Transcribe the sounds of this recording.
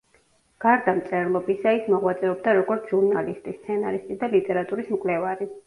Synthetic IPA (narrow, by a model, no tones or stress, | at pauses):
ɡ̥aɾd̪amt̪sʼɛɾlˠɔbisaismɔʁwat̪sʼɛɾɔbd̪aɾɔɡɔɾt̪sʰʒuɾnalist̪ʼist̪sʰɛnaɾist̪ʼid̪alit̪ʼɛɾat̪ʼuɾismkʼlɛvaɾi